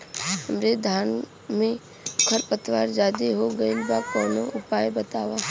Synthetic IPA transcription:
həmɾed̪ʱaːn | mẽ | kʰəɾpət̪ʋaːɾd͡ʒaːd̪iɦoɡəinbakɔːnoʔʊpaːjbət̪aːʋa

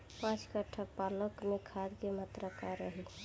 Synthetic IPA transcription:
pãt͡ʃkəʈʰapaləkmekʰad̪kemət̪ɾəkaɾəɦi

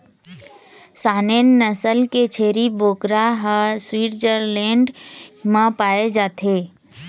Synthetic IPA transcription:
saːneːnːəsəlket͡ʃʰeːɾiboːkɾaɦaswiːʈd͡ʒəɾlɛ̃ːɳɖmãpaːed͡ʒaːt̪ʰeː

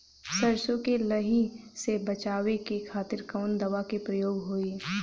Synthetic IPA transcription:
sɐɾʃõkelɐɦisebɐt͡ʃaːʋekekʰaːt̪ɪɾkɐːnd̪ɐʋakepɾɐjoːɡɦoːiː

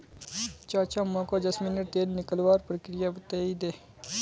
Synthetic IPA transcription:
t͡ʃaːt͡ʃamãkoːd̪əsmɪnəʈ̚t̪eːɾnɪkəlʋaːɾpɾəkɾɪjabt̪eːiːd̪eː

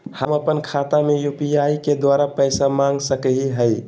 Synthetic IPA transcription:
həməpənkʰat̪amejupijaiked̪waɾapəɪsamãŋɡsəkəɦiɦəj

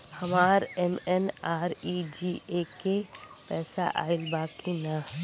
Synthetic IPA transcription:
hɐmaːɾɛmɛnaːɾid͡ʒiːeke | pɛːsa̰ʔa̰ːɪlbaːkina

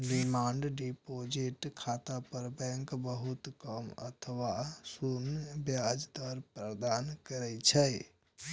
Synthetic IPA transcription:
ɾimaɳɖɖipod͡ʒiʈkʰat̪apəɾbɛ̃ŋkbəɦut̪kəmə̰t̪ʰəʋasunbjad͡ʒd̪əɾpɾəd̪ankəɾɛt͡ʃʰɛ

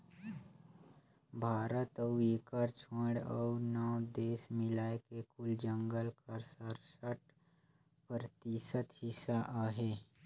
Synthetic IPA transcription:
bʱaːɾət̪əueːkəɾt͡ʃʰoɽɔ̰unɔwd̪eːsmɪlaːekekʊld͡ʒə̃ŋɡəlkəɾsəɾsəʈ | pəɾt̪isət̪hɪsaʔaɦe

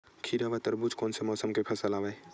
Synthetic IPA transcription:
kʰiɾaʋat̪əɾbud͡ʒkɔːnsemɔːsəmkepʰɐsəlaːʋae

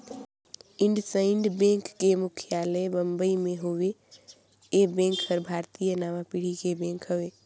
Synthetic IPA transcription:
ɪ̃ɳɖsəɪ̃ɳɖbẽŋkːemʊkʰjaːləbəmbəimẽɦowe | ebẽŋkːəɾbʱaːɾt̪ijənaːmapiɽ̤ikebẽːŋkɦowe

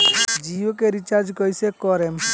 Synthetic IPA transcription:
d͡ʒijokeɾit͡ʃaɾd͡ʒkɔjsekɔɾem

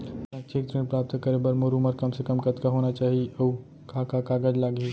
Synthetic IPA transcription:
ɐ̃t͡ʃʰekt̪ɾẽnpɾaːp̚t̪kɐɾebəɾmoɾuməɾkɐmsekɐmkɐt̪kaɦoːnat͡ʃaːɦio | kaːkakaːɡəd͡ʒlaːɡe

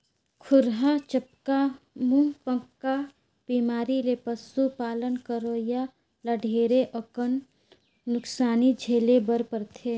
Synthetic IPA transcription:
kʰʊɾɦat͡ʃəpka | mũpə̃ŋkːa | b̥iːmaːɾilepəsupaːlənkəɾoːja | lɐɖʱeːɾeʔəkənː | ʊksaːnid͡ʒʱeːlebəɾpəɾt̪ʰeː

